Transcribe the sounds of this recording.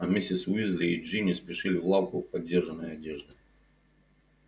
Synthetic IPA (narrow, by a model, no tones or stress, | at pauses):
ɐmʲisʲɪsʲɪzʲlʲɪiʐɨnʲɪspʲɪʂɨlʲɪvlˠawkʊpɐdʲːerʐɨnːəjɐdʲeʐd̪ɨ